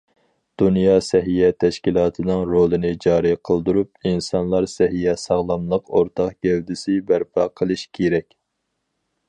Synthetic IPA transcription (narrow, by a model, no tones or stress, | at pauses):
d̪̥unjɑːsɛɦijɛt̪ʰɛʃkʲilˠɑːt̪ʰɨnɨŋɾolˠɨnɨd͡ʒɑːɾiqʰəlˠd̪uɾup̚insɑnlˠɑɾsɛɦijɛsɑʁlˠɑmlˠəqoɾt̪ʰɑqɡʲɛwd̪ɪsɪbæɾpʰɑqʰəlˠɨʃkʲʰeɾɛkʲ